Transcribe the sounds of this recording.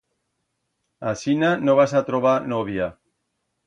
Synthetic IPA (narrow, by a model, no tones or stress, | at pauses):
asinanoβ̞asat̪ɾoβ̞anoβ̞ja